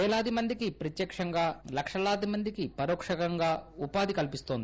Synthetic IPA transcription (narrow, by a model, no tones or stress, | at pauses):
ɛːlaːd̪imɐnd̪ikipɾɐt̪jɐkʂɐŋɡaːlɐkʂɐlaːd̪imɐnd̪ikipɐɾoːkʂɐkɐŋɡaːupaːd̪ikɐlpist̪o̞ːnd̪i